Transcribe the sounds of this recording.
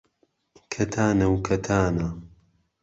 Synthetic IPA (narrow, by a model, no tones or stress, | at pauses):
kʰɐt̪ʰaːnɐwkʰɐt̪ʰaːnɐ